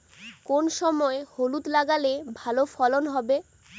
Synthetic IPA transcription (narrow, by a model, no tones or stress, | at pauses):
konʃɔmɔeholut̪laɡalebʱalofɔlonɦɔbe